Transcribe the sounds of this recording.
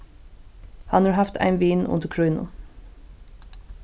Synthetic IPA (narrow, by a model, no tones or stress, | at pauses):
hɑnɑɹɦɑft̪ʰæ̰ɪnʋiːnʊ̰nt̪əkʰɹœːnʊ̰